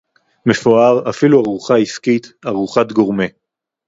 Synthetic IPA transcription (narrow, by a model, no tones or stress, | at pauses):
mefoaʁafiluaʁuχaiskit̪aʁuχat̪ɡo̞ʁme